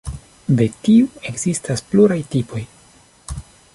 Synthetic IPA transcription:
d̪e̞tiue̞ɡz̥istaspluɾajtipo̞j

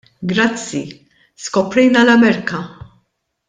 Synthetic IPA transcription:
ɡɾɐt͡sːi | skɔpɾɛjnɐlɐmɛɾkɐ

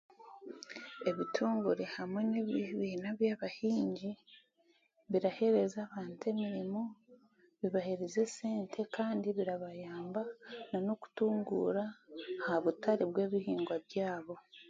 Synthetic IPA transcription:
e̞βitʰuːŋɡuɾe̞hamwe̞neββinaβjaβahiːɲɟi | βiɾahe̞ɾe̞zaːβaːnte̞miɾimo̞ | βiβaheɾeze̞se̞ːntʰe̞kaːndiβiɾaβajaːmbanano̞ku̥tuːŋɡṵɾahaβutaɾibwe̞ːβihiːŋɡwaβjaːβo̞

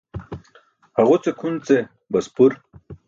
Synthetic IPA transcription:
hɐʁut͡sekʰunt͡se | bɐspuɾ

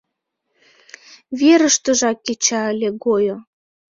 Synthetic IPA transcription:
βeɾəʃt̪ə̆ʒɑkːet͡ɕɑəlʲeɡojo

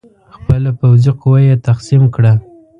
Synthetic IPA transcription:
xpəlapawziqowajet̪axsimkɽa

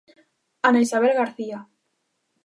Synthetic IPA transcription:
anaisaβ̞elɣaɾθia

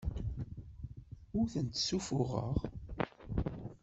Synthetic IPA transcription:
ʊɾθənt̪sufʊʁə̰ʁ

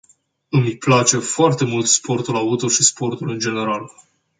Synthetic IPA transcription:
ɨmplat͡ʃe̞foart̪e̞mult̪spo̞rt̪ulaut̪oʃispo̞rt̪ulɨnd͡ʒe̞ne̞ɾal

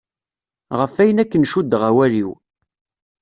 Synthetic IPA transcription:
ʁəfæjənækːənʃud̪ʁæwæliw

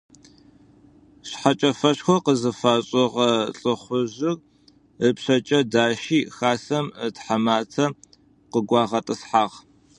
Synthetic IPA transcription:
ɕħat͡ʃʼɐfɐɕxʷɔqəzɨfaːɕʼɔʁɐɬʼɨχʷʊʑɨr | əpɕɐt͡ʃʼɐdaːʃiːxaːsɐmətħamaːtʰɐ | qəɡʷɑːʁɐtʼɨsħaːʁ

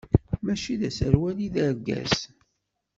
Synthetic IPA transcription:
mæʃiðæsəɾwæliðæɾɡæ̰s

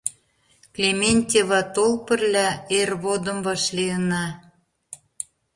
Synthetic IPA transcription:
klʲemʲenʲt̪ʲeβɑt̪olpə̆rlʲæerβod̪ə̆mβɑʃliənɑ

